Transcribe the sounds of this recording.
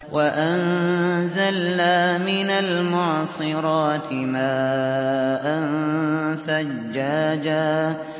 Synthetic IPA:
waʔanzalːaːmɪnalmaːsˤɨɾˤɑːt̪ɪmaː | ʔan | θa | d͡ʒːaːd͡ʒaː

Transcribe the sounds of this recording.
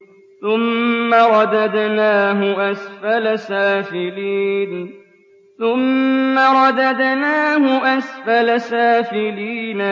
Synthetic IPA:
θʊmːaɾˤɑd̪ad̪naːɦʊʔasfalasaːfɪliːn | θʊmːaɾˤɑd̪ad̪naːhʊʔasfalasaːfɪliːna

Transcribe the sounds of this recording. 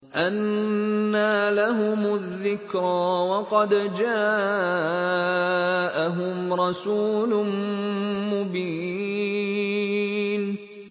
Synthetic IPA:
ʔanː | aːlaɦʊmʊðːɪkɾɑwɑqɑd̪d͡ʒaː | ʔaɦʊmɾˤɑsuːlʊ | mʊbiː | n

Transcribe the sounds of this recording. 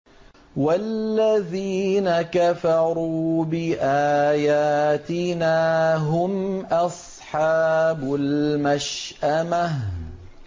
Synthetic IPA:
walːaðiːnakafɑɾˤuːbɪʔaːjaːt̪ɪnaːɦʊmʔɑsˤ | ħɑːbʊlmaʃʔamah

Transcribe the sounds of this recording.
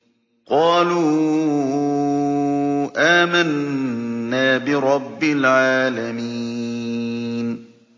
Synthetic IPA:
qɑːluː | ʔaːmanː | aːbɪɾˤɑbːɪlʕaːlamiː | n

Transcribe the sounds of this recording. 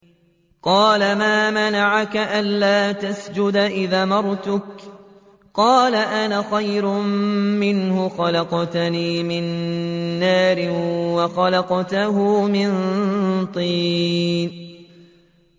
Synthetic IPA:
qɑːlamaːmanaʕakaʔanlaːt̪asd͡ʒʊd̪aʔɪðaːmɑɾˤt̪ʊk | qɑːlaʔanaxajɾʊmmɪnhʊxɑlɑqt̪niːmɪnː | aːɾɪwɑxɑlɑqt̪aɦʊːmɪnt̪ˤiːn

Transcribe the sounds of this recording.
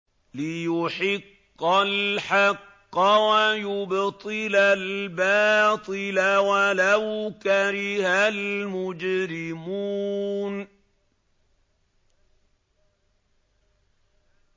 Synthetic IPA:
lɪjʊħɪqːalħɑqːɑwajʊbt̪ˤɨlalbɑːt̪ˤɨlawalawkaɾɪhalmʊd͡ʒɾɪmuːn

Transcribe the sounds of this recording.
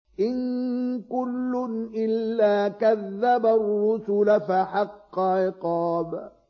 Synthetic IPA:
ʔɪnkʊlːʊnʔɪlːaːkaðːabarːʊsʊlafaħɑqːɑʕɪqɑːb

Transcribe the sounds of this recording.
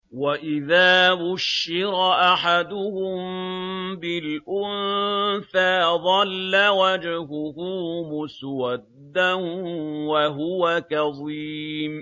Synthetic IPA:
waʔɪðaːbʊʃːɪɾaʔaħad̪ʊhʊm | bɪlʔʊnθaːðˤɑlːawad͡ʒɦʊhʊmʊswad̪ːanwaɦʊwakɑðˤiːm

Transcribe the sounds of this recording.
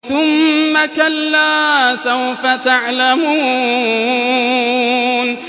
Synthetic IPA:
θʊmːakalːaːsawfat̪aʕlamuː | n

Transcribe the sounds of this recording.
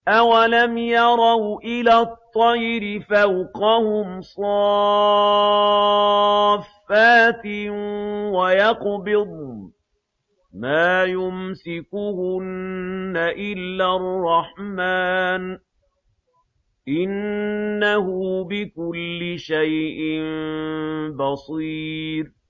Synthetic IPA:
ʔawalamjɑɾˤɑwʔɪlaːt̪ˤːɑjɾɪfawqɑhʊmsˤɑː | fːaːt̪ɪ | wajɑqbɪd̪ˤ | maːjʊmsɪkʊhʊnːaʔɪlːarˤːɑħmaːn | ʔɪnːahʊbɪkʊlːɪʃajʔɪm | bɑsˤiːɾ

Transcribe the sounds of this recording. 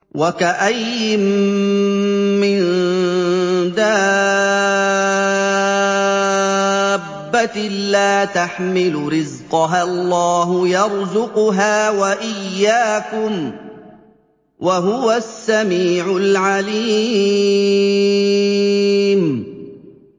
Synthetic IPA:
wakaʔaj | ɪm | mːɪn | d̪aː | bːat̪laːt̪aħmɪlʊɾɪzqɑɦalˤːɑːɦʊjɑɾzʊqʊɦaːwaʔɪjːaːkʊm | waɦʊwasːamiːʕʊlʕaliː | m

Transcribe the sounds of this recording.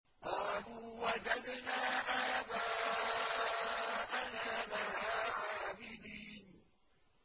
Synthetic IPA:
qɑːluːwad͡ʒad̪naːʔajdaː | ʔanaːlahaʕaːbɪd̪iːn

